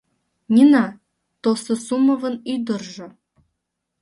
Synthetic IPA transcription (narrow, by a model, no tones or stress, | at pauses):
nʲinɑ | t̪osɤ̆sumɤ̆vɤ̆nyjd̪ə̆rʒɤ̆